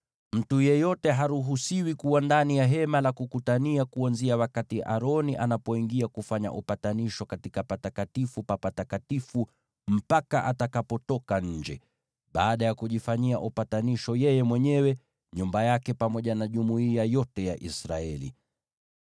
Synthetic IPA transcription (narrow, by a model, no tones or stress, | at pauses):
m̩tujɛjɔtɛɦaɾuɦusiwikuwandanijaɦɛmalakukutaniakuanziawakatiʔa̰ɾɔniʔanapɔiŋɡiakufaɲa̰ʔupataniʃɔkatikapatakatifupapatakatifu | m̩pakaʔatakapɔtɔkaɲ̩d͡ʒɛ̰ | ɓaːɗajakuʄifaɲiaʔupataniʃɔjɛjɛmwɛɲɛwɛ | ɲumbajakɛpamɔʄanaʄumuiajɔtɛjaʔisɾaɛlḭ